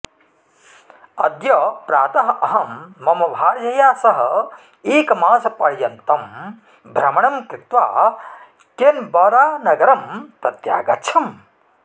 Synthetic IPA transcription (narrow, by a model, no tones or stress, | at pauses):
ɐd̪jɐpɾaːt̪ɐɦɐʔɐɦɐmːɐmɐʋʱaːɾd͡ʒɐjaːsɐɦɐ̆ | eːkmaːsɐpɐɽjɐnt̪ɐm | bʱɾɐmɐɳɐmkɾɪt̪ʋa̰ː | kenbɐːɾaːnɐɡɐɾɐmpɐt̪ja̰ːɡɐtːt͡ʃʰɐm